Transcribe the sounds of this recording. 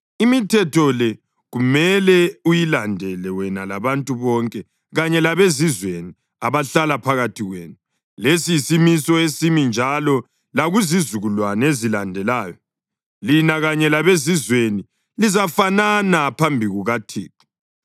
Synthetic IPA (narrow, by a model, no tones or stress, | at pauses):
imitʰɛtʰɔlɛ | ɣumɛlɛujilandʱɛlɛwɛnalaβantʼuβɔŋkʼɛ | ɣaɲɛlaβezizweni | aβaɬalapʰaɣatʰiɣwḛːnu | lesiisimisɔesimind͡ʒʱalɔ | laɣuzizuɣulwanezilandʱɛlaːjɔ | linaɣaɲɛlaβezizweni | lizafananapʰambʱiɣuɣatʰḭːkʰi̥